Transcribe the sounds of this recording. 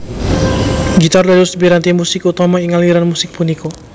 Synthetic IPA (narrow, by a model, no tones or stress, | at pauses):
ɡit̪ardadusbiɾant̪imusɪkut̪ɔmaiŋaliɾanmusɪk̚puniko